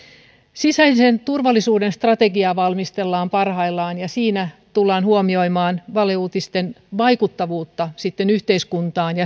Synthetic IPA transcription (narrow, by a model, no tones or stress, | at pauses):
sisæisent̪urʋɑlːisuːdenst̪rɑt̪eɡiɑʋɑlmist̪elːɑːmpɑrhɑilːɑːnjɑsiːnæt̪ulːɑːnhuomio̞imɑːnʋɑleuːt̪ist̪enʋɑikut̪ːɑʋuːt̪ːɑsit̪ːenyht̪eiskunt̪ɑːnjɑ